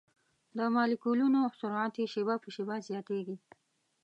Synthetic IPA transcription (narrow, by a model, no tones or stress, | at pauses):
d̪əmɑlikulunosʊɾɑt̪eʃibapəʃibazjɑt̪eɡi